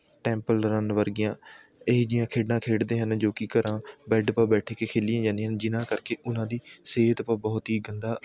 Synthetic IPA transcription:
ʈɛ̃ːmpəlɾənʋəɾɡɪjãː | ed͡ʒɪjãːkʰeːɖãːkʰeːɽd̪eːɦənd͡ʒoːkikəɾãːbɛːɖpãːbɛːʈʰeːkeːkʰeːlɪjãːd͡ʒãːnd̪eːɦənd͡ʒɪnãːkəɾkeːʔʊnãːd̪iːseːɦət̪pãːbɔːt̪ɦiːɡənd̪aː

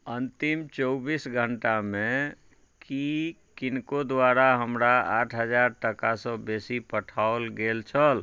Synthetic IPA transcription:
ənt̪imt͡ʃɔwbisɡʱəɳʈame | ki | kinkod̪waɾaɦəmɾaaʈʰɦəd͡ʒaɾʈəkasə̃besipəʈʰaolɡelt͡ʃʰəl

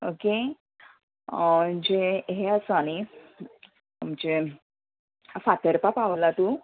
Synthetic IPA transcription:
oke | d͡ʑeɦeasañi | md͡ʑe | fat̪əɾpapaʋlat̪u

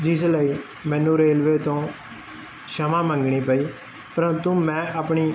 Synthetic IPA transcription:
d͡ʒɪsləiː | mɛ̃ːnũːɾeːlʋeːt̪õː | ʃəmãːmə̃ŋɡɳiːpəiː | pəɾə̃nt̪uːmɛ̃ːəpɳiː

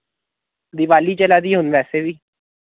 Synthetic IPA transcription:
d̪ɪʋaːliːt͡ʃəlaːd̪iːɦʊnʋɛːseːʋiː

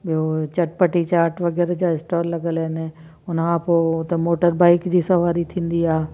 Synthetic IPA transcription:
ɓijot͡ɕɐʈpəʈit͡ɕaːɾʈʰʋɐɡɛːɾd͡ʑaːɪsʈɔːɾlɐɡəlɦɪnɪ | ʊnkʰãpoːʊt̪emoːʈəɾbaːɪkd͡ʑiːsɐʋaːɾit̪ʰĩːn̆d̪iaːɦe

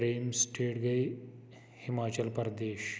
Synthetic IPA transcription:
ɾeːmsʈʰeːɽɡɐj | himaːt͡ɕɐlpɐɾd̪eːʃ

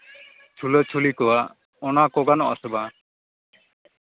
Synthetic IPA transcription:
t͡ʃʰulət͡ʃʰulikɔwa | ɔnakɔɡanɔ̰ʔasɔba

